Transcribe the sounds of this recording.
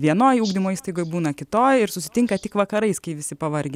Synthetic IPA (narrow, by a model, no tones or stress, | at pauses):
ʋʲiɛnoːjuːɡd̪ʲɪmoːiːst̪ɐɪɡoːjbuːnɐkʲɪt̪oːjɪɾsʊsʲɪ̥tʲɪŋkɐt̪ʲɪkʋɐkɐɾɐɪskɐɪʋʲɪsʲɪpɐʋɐrʲɡʲe